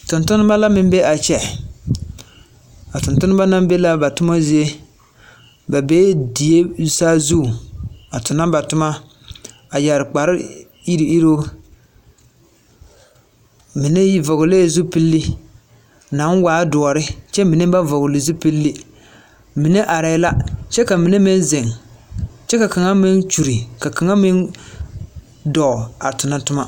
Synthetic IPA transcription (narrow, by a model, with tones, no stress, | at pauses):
tʊ˨ntʊ˦nɨ˦ba˦la˦mɪ˦m˦be˦a˨t͡ʃɛ˨ | a˨tʊ˨ntʊ˦nɨ˦ba˦na˦mbe˦la˦ba˨tʊ˦ma˦zi˦e˦ | ba˨be˦di˨je˦saː˦zu˦˨a˨tʊ˨na˦ba˨tʊ˦ma˦ | a˨ja˨ɾɪ˨k͡pa˨ɾɪ˦ | i˦ɾi˨i˦ɾo˦ | mi˨ne˦ji˦vɔ˨ɣʊ˨leː˦˨zu˦pi˦lːi˦ | na˨˦nwaː˨˦dʊ˨ɔ˨ɾɪ˦t͡ʃɛ˦mi˨ne˦ba˦vɔ˨ɣʊ˨lɪ˨zu˦pi˦lːi˦ | mi˨ne˦ʔa˨ɾa˨ɪ˦la˦t͡ʃɛ˦ka˨mi˨ne˦mɪ˦n˦zɪ˨ŋ | t͡ʃɛ˦ka˨ka˨ŋa˦mɪ˦nt͡ʃu˨ɾi˨ka˨ka˨ŋa˦mɪ˦n | dɔ˨a˨tʊ˨na˦tʊ˦ma˦